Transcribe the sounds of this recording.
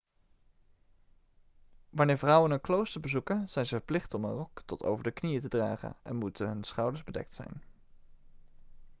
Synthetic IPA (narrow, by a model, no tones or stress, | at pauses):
ʋɑnɪːɹvrʌwənɦənklowstəɹbəzukənz̥ɛjnzəvəɹplɪχtɔmənrɔktɔto̰wvəɹdəknijətədraːχə̰nʔɛ̰nmutənɦɵnsχɑwdəɹzbədɛ̰k̚tsɛ̰jn